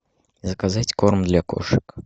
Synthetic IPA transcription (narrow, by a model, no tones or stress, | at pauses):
zɐkazat͡sʲkɔrmd̪lʲɐkɔ̰ʂɨk